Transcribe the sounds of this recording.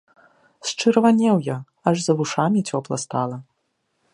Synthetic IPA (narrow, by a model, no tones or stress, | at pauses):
st͡ʂɨɾvanʲɛwjɐ | aʐzɐvuʂamʲit͡sʲɔplˠɐ̰st̪alˠɐ